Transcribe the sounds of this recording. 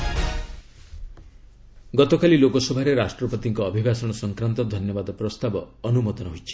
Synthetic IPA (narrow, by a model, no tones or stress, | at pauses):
ɡɔt̪ɔkalilokɔsɔbʱaɾeɾasʈɾɔpɔt̪iŋkɔːbʱibasɔɽ̃ɔsɔŋkɾant̪ɔd̪ʱɔnjɔbad̪ɔpɾɔst̪abɔːnumɔd̪ɔnɔɦojt͡ʃʰi̥